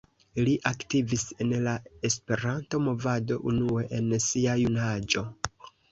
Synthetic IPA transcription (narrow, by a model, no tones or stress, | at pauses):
liʔaktivise̞nlae̞spe̞ɾanto̞mo̞vado̞ʔunue̞ʔensiajunad͡ʒo̞